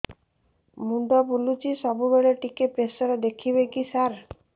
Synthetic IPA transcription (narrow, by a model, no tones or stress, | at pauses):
muɳɖɔpulut͡ʃisɔbubeɭeʈikepɾesɔɾɔd̪ekʰiβekisaɾ